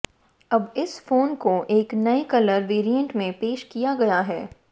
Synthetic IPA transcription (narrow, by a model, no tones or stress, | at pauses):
ɐbɪsfoːnkoʔeːknɐekɐləɾʋeːɾijə̃ɳʈmẽpeːʃkijaɡɐjaɦɛː